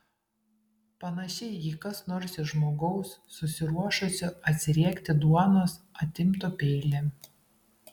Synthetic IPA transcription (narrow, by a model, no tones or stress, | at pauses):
pɐnɐʃʲɛɪjiːkɐsnoɾsɪʒmoːɡɐʊsːʊsʲɪɾuɔʃʊsʲʊɐt̪ʲsʲɪɾʲiɛkʲt̪ʲɪd̪uɔnosɐt̪ʲɪmt̪opʲɛɪlʲɛ